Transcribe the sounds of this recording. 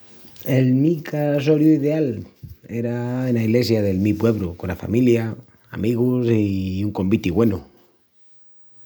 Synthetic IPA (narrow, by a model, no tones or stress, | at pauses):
elmikasoɾjuiðe̞ale̞ɾaenaiɣle̞sjaðe̞lmipwe̞β̞ɾukonafa̰milja | a̰miɣ̞usiuŋko̞mbit̪iɣwe̞nu